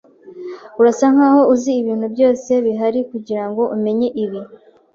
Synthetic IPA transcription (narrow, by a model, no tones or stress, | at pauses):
uɾasaŋ̥haːho̞uziːβiːn̥hubjo̞ːse̞βiɦaɾikuɟiɾaŋɡo̞ʔume̞ɲe̞ʔiβi